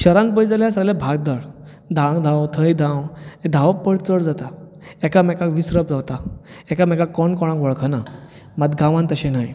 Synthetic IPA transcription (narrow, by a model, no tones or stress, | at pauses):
ɕəɾãnt̪bəjd͡zalasəɡlẽbʱaɡ̚d̪əɭ | d̪ʱãŋd̪ʱãwt̪ʰəjd̪ʱãwed̪ʱaʋpəɽt͡səɭd͡zat̪a | ɛkamɛkakʋisɾəb̚d͡zawt̪a | ɛkamɛkakɔɳkɔɽ̃ãkʋɔɭkʰəna | mad̪ɡãʋãnt̪əɕenaj